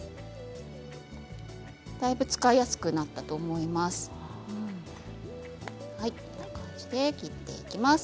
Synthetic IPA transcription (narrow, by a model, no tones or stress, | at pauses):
d̪̥aibɯ̟t͡sɨ̥kaijasɨ̥kɯ̟nat̪ːat̪o̞ːmo̞imasɨ̥ | hainakãɲ̟d͡ʑid̪e̞kʲit̪ːe̞̰ikʲimas